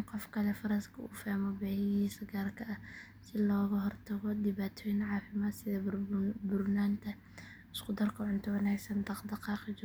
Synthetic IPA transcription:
qɔfkʰɐlɛfɐɾɐskʰɐṵːfaːmɔbɛhɪiːsɐɡaːrkʰɐʔɐh | sɪlɔːɣɐɦɔrt̪ʰɐɣɔd̪ɪβaːt̪ʰɔjɪnʕɑːfɪmaːd̪sɪðɐbʊrnaːnt̪ʰɐ | ɪskʰʊd̪ɐrkʰɐʕʊnt̪ʰɐwɑnaːɡsɐnd̪ɑqd̪ɑqɑːqɪd͡ʒ

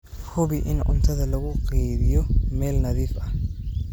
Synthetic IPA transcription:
hʰʊbɪʔɪnʔʊ̰nt̪ʰɐðɐlɐɣʊqeːðɪjɔmɛːlnɐðiːfʔɐ

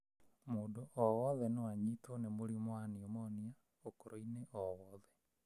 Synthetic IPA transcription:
moːndoɔwɔðɛnewaɲitonemoɾimwaniomɔnia | okoɾoineʔɔwɔðɛ

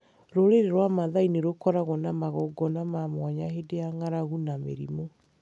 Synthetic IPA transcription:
ɾoɾeɾeɾwamaðaineɾokɔɾaɣɔnamaɣɔɡɔnamamwɔɲaɦedejaŋaɾaɣunamḛɾḭmo

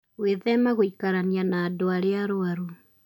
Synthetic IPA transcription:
weðɛmaɣoikaɾanianaːdoaɾeaɾoaɾo

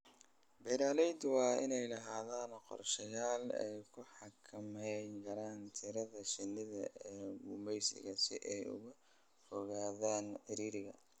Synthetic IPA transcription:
bɛɾaːlɛjd̪wɑːɪ̰nɛjlɐɦaːðaːnqɔ̰rʃɐjaːlɛ̰jkʰʊħɑkʰɐmɛkʰɐɾaːnt̪ʰɪɾɐðɐʃɪnːɪðɐɛːbʊmɛjsɪ̰ɣɐsɪ̰ʔɛjʊ̰ɣʊ | fɔɣaːðaːnħɪɾiːɾɪɣɐ̰

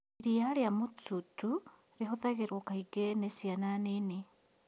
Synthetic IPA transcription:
iɾiaɾeamututu | ɾexoðaɣeɾwokaiɡenesjananene

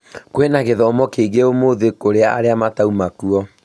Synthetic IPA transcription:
kwenaɣeðɔmɔkeiɣeomoðekoɾeaʔa̰ɾeamataumakuɔ

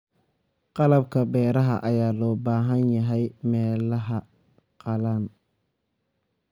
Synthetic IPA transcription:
qɑlɐb̚kʰɐbɛːɾɐɦɐ̰ʔɐjaːlɔːbaːɦɐnjɐɦɛjmɛːlɐɦɐ | qɑlaːn

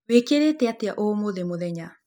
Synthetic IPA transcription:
wekeɾeteateaʔomoðemoðɛɲa

